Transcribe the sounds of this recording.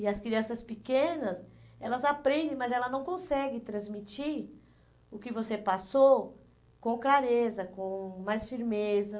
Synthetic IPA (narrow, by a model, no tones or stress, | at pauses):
ɪɐskɾiɐ̃sɐspikẽnɐsɛlɐzapɾẽnd̪ẽmɐzɛlɐnɐ̃w̃kõsɛɡɪt̪ɾɐ̃zmit͡ʃiɾ | ʊkɪvosepasow | kõklaɾezɐkõmajsfiɾmezɐ